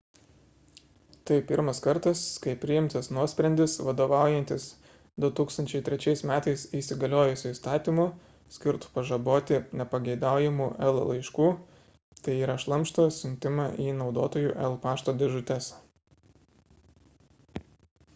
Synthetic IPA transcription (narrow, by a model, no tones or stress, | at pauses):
t̪ɐɪpʲɪɾmɐskɐɾt̪ɐskɐɪpʲɾʲɪjɪmʲt̪ɐsnuɔsʲpʲɾʲɛnʲd̪ʲɪsʋɐd̪oːʋɑˑʊjɛnʲt̪ʲɪs | d̪ʊt̪uːkst̪ɐnʲt͡ʃʲɛɪt̪ʲɾʲɛt͡ʃʲɛɪsmʲæːt̪ɐɪsisʲɪɡɐlʲoːjʊsʲʊist̪ɑːt̪ʲimʊ | sʲkʲɪɾt̪ʊ̥pɐʒɐboːt̪ʲɪnʲɛpɐɡʲɛɪd̪ɑˑʊjɛmuʔɛlˠlˠɐɪʃkuː | t̪ɐɪiːɾɐʃlˠɐmʲʃt̪oːsʲʊnʲt̪ʲɪmɑʔiːnɒʊd̪oːt̪oːjuːʔɛlˠpɑːʃt̪oːd̪ʲɛʒʊt̪ʲɛs